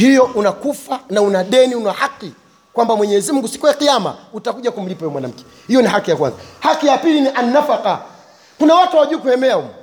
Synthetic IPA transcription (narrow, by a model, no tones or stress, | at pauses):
hijɔʔunakufanaunaɗɛniunahaqːi | kwambamwɛɲɛzimuŋɡusi̥kujaqijama̰utakuʄakum̩lipaɛɛmwanam̩kɛ̥ | hijɔnihakijakwa̰nzahakijapiliniʔanːafaqa | kunawatuwawaʄuːkuhɛmɛaumɔ